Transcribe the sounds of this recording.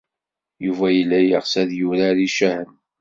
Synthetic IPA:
juvæjəlːæjəʁsæðjuɾaɾiʃæhən

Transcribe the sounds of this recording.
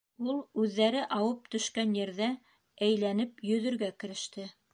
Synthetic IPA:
ulˠʉðːæɾɘʔɑwɤp̚t̪ɵ̆ʃkænjɘ̆ɾðæ | æjlænɘpjɵ̆ðɵ̆ɾɡækɘ̆ɾɘ̆ʃt̪ɘ

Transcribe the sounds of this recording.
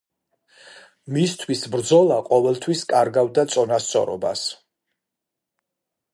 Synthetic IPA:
mist̪ʰwisbɾd̪zɔlˠaqʼɔvɛlˠt̪ʰwiskʼaɾɡavd̪at̪sʼɔnast̪sʼɔ̰ɾɔ̰ba̰s

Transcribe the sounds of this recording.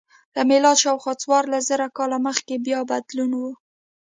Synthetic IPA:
lamelɑd̪ʃawxwɑt͡swɑɾlaszəɾakɑlaməxkebjɑbad̪lunwu

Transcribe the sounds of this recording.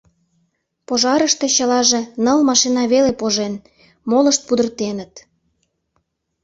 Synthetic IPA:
poʒɑɾəʃt̪e̽t͡ɕəlɑʒĕnəlmɑʃinɑβelepoʒen | moləʃt̪̚pud̪ə̆rt̪enət̪

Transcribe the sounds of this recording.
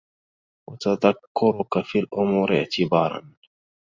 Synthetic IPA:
wat̪aðakːʊɾʊkafiːlʔʊmuːɾɪʕt̪ʰɪbɑːɾˤɑ̰n

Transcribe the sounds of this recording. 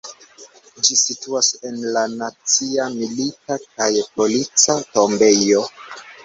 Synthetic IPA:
d͡ʒisituase̞nlanat͡siamilitakajpo̞lit͡sato̞mbe̞jo̞

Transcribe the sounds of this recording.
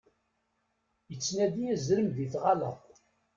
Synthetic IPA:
jət͡sːnæðiæzɾəmðiθʁɑlə̰ʁˤ

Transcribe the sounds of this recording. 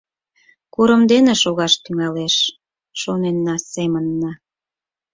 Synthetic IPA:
kuɾə̆md̪eneʃoɣɑʃt̪yŋɑleʃ | ʃonenːɑsemənːɑ

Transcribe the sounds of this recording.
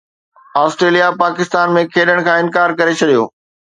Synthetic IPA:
aːsʈɾeːlijapaːkɪst̪aːnmẽkʰeːɗəɽ̃kʰãːɪ̃nkaːɾkɐɾet͡ɕʰɐɗijo̰ː

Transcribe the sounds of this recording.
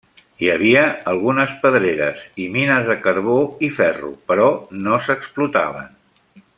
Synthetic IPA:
iəβ̞iəːlˠɣunəspəðɾeɾə̰ziminəzðəkəɾβ̞oifɛrṵpəɾɔnosəksplut̪a̰βə̰n

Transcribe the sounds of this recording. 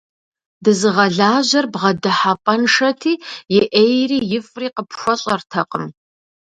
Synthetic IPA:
dɨzɨʁɐɮaːʑɐrbʁɐdɨħapʼɐnʂɐtʰiːjɛʔejriːjɪfʼriːqəpxʷɔɕʼɐrtʰɐqʼəm

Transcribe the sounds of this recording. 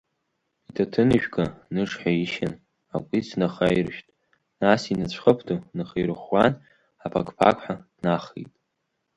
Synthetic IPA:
itʰatʰɨnɨʒᶣɡanɨʂħaiʃan | akʷʼit͡sʰnaχajirʃᶣtʼ | nasinat͡ɕʷʰχəpʰtʰonɨχejɾɨχʷan | apʰa̰kʰʼpʰa̰kʷʰʼħḁ | naχḭjtʼ

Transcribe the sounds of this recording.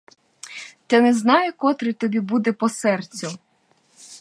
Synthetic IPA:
t̪ɛnɛznɑjɛkɔt̪ɾɪt̪ɔbʲibud̪ɛpɔsɛrt͡sʲʊ

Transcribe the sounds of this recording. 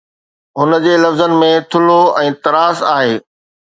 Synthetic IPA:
ɦʊnə̆d͡ʑeːlɐfzənɪ̆mẽt̪ʰʊloɛ̃ːt̪ɐɾaːsaːɦeː

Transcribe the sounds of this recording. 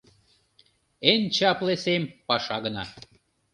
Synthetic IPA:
ent͡ɕɑplesempɑʃɑɣə̆nɑ̰

